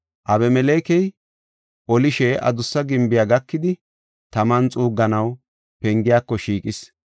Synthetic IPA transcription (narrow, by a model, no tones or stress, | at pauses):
ʔɐbɛmɛleːkɛj | ʔɔlɪʃɛʔɐ̰d̪ʊsːɐɡɪmbɪjaɡɐkːɪd̪ɪ | t̪ɐmɐnt͡sʼuːɡːɐnɐw | pɛŋɡɪjaːkːɔʃiːkʼɪs